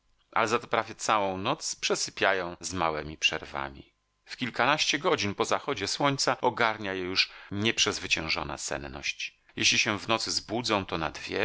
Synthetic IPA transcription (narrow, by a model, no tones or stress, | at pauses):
ʔa̰lɛzat̪ɔ̥pɾavʲjɛt̪sawɔ̃w̃nɔt̪spʂɛsɘpʲjajɔ̃w̃zmawɛmʲipʂɛ̰ɾva̰mʲḭ | fkʲilkanaɕt͡ɕɛɡɔd͡ʑinpɔzaxɔd͡ʑɛswɔɲt̪saɔɡaɾɲajɛjuʂɲɛpʂɛzvɘt͡ɕɛ̃w̃ʐɔ̰na̰sɛ̰nnɔ̰ɕt͡ɕ | jeɕlʲiɕɛvnɔt̪sɘzbud̪zɔ̃w̃t̪ɔna̰d̪vʲjɛ